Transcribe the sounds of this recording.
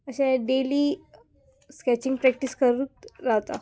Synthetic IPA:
əɕɛ̃ɖeliː | skɛt͡ɕiŋɡ̚pɾɛk̚ʈiskəɾuːt̪ɾaɦt̪a̰

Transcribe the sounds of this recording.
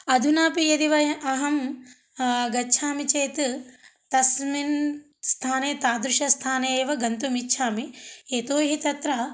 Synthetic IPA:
ɐd̪ʱunaːpijɐd̪iʋɐjɐʔɐɦɐm | ɡɐtːt͡ʃʰaːmit͡ʃeːt̪t̪ɐsmin | st̪ʰaːneːt̪aːd̪ɾuʃɐst̪ʰaːneːʋɐɡɐnt̪umitːʃʰaːmieːt̪oːɦit̪ɐt̪ɾɐ

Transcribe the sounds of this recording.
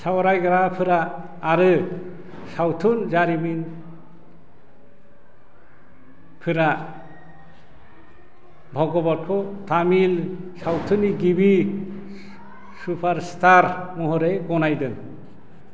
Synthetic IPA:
sawɔɾajɡaɾapʰɯɾaː | ɾɯ | sawtʰunzaɾimin | pʰɯɾa | bʱɔɡɔbɔt̚kʰɔt̪amil | sawtʰuniɡibi | supʰaɾst̪ʰaɾmɔɦɔɾejɡɔnajdɯŋ

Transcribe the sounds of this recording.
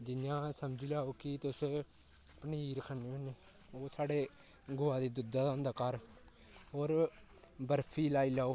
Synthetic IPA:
d͡ʒɪnjãːsəmd͡ʒilaːoːkɪt̪ʊs | pəniːɾəkʰənːeːoneː | oːsaːɽeː | ɡʊːãːd̪iːd̪ʊd̪aːd̪ãːnd̪aːkaɾ | oːɾ | bəɾpʰiːlaːiːlaːoː

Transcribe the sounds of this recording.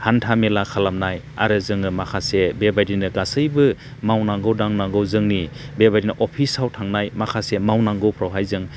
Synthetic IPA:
hantʰamelakʰalamnaj | a̰ɾɯzɯŋɯmakʰasebebajdinɯɡasɯjbɯ | mawnaŋɡɯwdaŋnaŋɡɯwzɯŋni | bebadinɯʔɔpʰisawtʰaŋnajmakʰasemawnaŋɡɯwpʰɾawɦajzɯŋ

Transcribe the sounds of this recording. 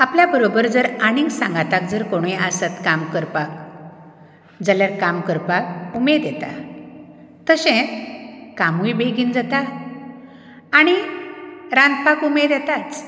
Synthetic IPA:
apljabəɾobəɾd͡zəɾaɽ̃ĩŋɡsãŋɡat̪ak̚d͡zəɾkoɽ̃ĩʔasət̪kamkəɾpak | d͡zəljaɾkamkəɾpak̚umed̪jɛt̪a̰ | t̪əɕɛ̃ | kamujbeɡind͡zat̪a | ɽ̃i | ɾãnd̪pakumed̪jɛt̪at͡s

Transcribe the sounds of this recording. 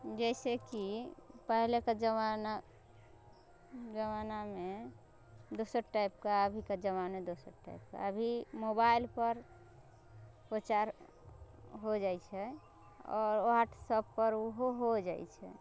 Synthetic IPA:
d͡ʒɛɪsekipəɦlekad͡ʒəmana | d͡ʒəmaname | d̪osəɾʈajp̚kaəbʱiked͡ʒəmamed̪osə̰ɾʈa̰jp̚ka̰əbʱimobailpəɾ | pɾot͡ʃaɾ | ɦod͡ʒat͡ʃʰɛ | ɔ̰ːɾoɦaʈʰsəb̚pəɾuɦoɦod͡ʒajt͡ʃʰɛ

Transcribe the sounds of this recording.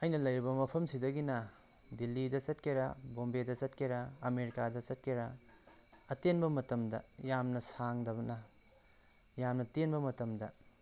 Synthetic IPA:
ɐjnɐlɐjɾibɐmɐpʰɐmsidɐɡinɐ | dilːidɐsɐtkʰeɾɐbombedɐsɐtkeɾɐːmeɾikadɐt͡ʃɐt̚kʰeɾɐ | ɐtenbɐmɐtɐmdɐ̰jamnɐsaŋdɐbɐnɐ | jamnɐtenbɐmɐtɐmdɐ

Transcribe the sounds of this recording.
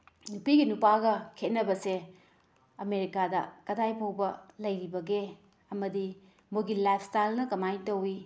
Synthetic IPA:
nupiɡinupaɡɐkʰet̚nɐbɐse | ɐmeɾikadɐkɐdajpʰowbɐlɐjɾibɐɡe | ɐmɐdi | moɡilajp̚ʰstajlnɐkɐmajtɐwi

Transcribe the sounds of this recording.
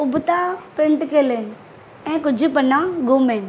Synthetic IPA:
ʊbʱʊt̪apɾɪ̃ɳʈkeːlen̆ | ɛ̃ːkʊd͡ʑʱʊ̆pɐnãɡoːmẽːn

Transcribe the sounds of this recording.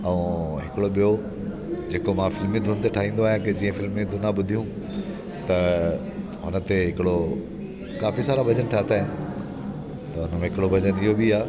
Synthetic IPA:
ɐũɦɪkɪɽoɓijo | d͡ʑeːkomãfɪlmːẽd̪ʱʊnt̪eʈʰaːɦĩːn̆d̪oaːɦijãked͡ʑĩːə̃fɪlmːẽd̪ʱʊnaɓʊd̪ʱijũ | t̪ɐ | ɦʊnə̆t̪eɦɪkɪɽo | kaːfisaːɾabʱɐd͡ʑənʈʰaːt̪ʰaːɦɪnɪ̆ | t̪ɐʊnəmẽɦɪkɪɽobʱɐd͡ʑənɪɦobiaː

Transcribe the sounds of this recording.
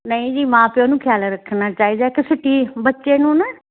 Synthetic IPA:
nəĩːd͡ʒiːmãːpɪõːnũːkʰjaːlɾəkʰːnaːt͡ʃaːiːd̪aːkɪsɪʈːiːbətːʃeːnũːnə

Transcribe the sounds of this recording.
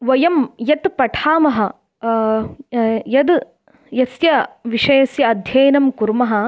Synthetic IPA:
ʋɐjɐmjɐt̪pɐʈʰaːmɐɦɐ̆ | jɐd̪ | jɐsjɐʋiʂɐjɐsjɐːd̪ʱjɐːnɐmkuɾmɐɦɐ̆

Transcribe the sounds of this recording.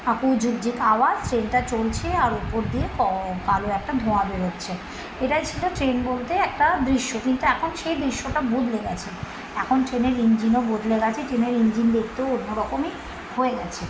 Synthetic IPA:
akud͡ʑuɡ̚d͡ʑikawazʈɾenʈat͡ɕolt͡ɕʰeaɾupoɾd̪iekɔkaloɛk̚ʈad̪ʱoabeɾot̪ːɕʰe | eʈajt͡ɕʰiloʈɾenbolt̪eɛk̚ʈad̪ɾiʃːokint̪uɛkʰonʃejd̪ɾiʃːoʈabod̪ʱleɡɛt͡ɕʰe | ɛkʰonʈɾeneɾiɲd͡ʑinobod̪ʱleɡat͡ɕʰeʈɾeneɾiɲd͡ʑind̪ekʰt̪eoonːoɾɔkomi | hoeɡɛt͡ɕʰe

